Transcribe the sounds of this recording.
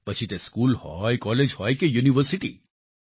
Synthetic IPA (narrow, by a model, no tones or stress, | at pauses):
pət͡ʃʰit̪eskulhɔjkɔled͡ʒhɔjkejuniʋəɾsiʈḭ